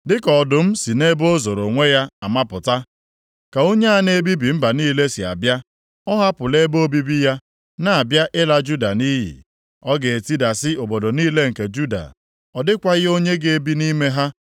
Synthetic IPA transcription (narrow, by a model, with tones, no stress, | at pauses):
dɪ˦kɔ˨dʊ˨m̩˦si˨ne˦bo˦zo˨ɾo˨ŋʷe˦ja˦a˨ma˦pʊ˨ta˦ | ka˨o˦ɲe˦a˦ne˦bi˦bi˨m̩˦ba˨niː˦le˦sɪ˨a̰˨bja˦ | ɔ˦ɦa˦pʊ˨le˦bo˦bi˦bi˦ja˦ | na˨a˨bja˦ʔɪ˦la˦d͡ʒu˦da˨ni˦ɦḭ˨ | ɔ˦ɡe˨e˨ti˦da˨sɪ˦o˨bo˨do˨niː˦le˦ŋ̩˨ke˨d͡ʒu˦da̰˨ | ɔ˨dɪ˦kʷa˦ɣɪ˦o˦ɲe˦ɡe˨e˦bi˦ni˦me˦ɦa˦